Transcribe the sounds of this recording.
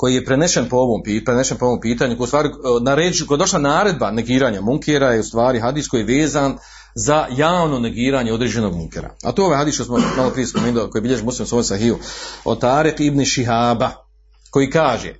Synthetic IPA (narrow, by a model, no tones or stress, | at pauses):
ko̞jije̞pɾeneʃenpooʋoːmpipɾeneʃenpooʋoːmpiːt̪aːɲukojust̪aːɾinaɾeːd͡ʒiukojd̪o̞ʃlˠanaːɾe̞d̪̚bane̞ɡiːɾaːɲamuŋkʰeɾajeust̪ʋaːɾiɦad̪iːskojeʋeːzan | zajaːʋno̞ne̞ɡiːɾaːɲeo̞d̪ɾeːd͡ʑe̞no̞ɡ̚muŋkḛɾa̰a̰t̪oeo̞ajɦad̪iːskojsmomalˠopɾije̞spomeːniloko̞jibiʎeʒimuslimsoːjsaɦiuot̪aːɾikibniʃiɦaːba | ko̞jiːkaːʒḛ